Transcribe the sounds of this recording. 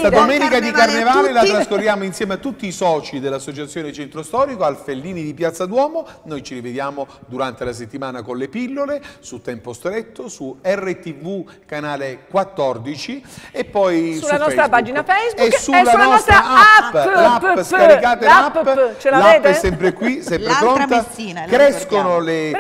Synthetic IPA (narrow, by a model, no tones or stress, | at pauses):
ad̪omɛːnikad̪iarnevaːlelat̪ɾaskoɾːjaːmoinsjɛːmeat̪ːut̪ːiːsɔːt͡ʃid̪elːasːot͡ʃat̪sːjoːnet͡ʃent̪ɾost̪ɔːɾikoalfelːiːnid̪ipjat̪sːad̪wɔːmonojt͡ʃiɾived̪jaːmod̪uɾant̪elas̬et̪ːimaːnakonlepilːolesut̪ːɛmpost̪ɾet̪ːosuɛrːet̪ivu | kanaːlekwat̪ːɔrd̪it͡ʃiepːɔjsulanɔst̪ɾapaːd͡ʒinafejzbuesːulːanɔɔst̪ɾaapːlapːssaɾikaːt̪eapːt͡ʃalapːɛsːɛmpɾekwisɛmpɾepɾont̪ankɾɛskonole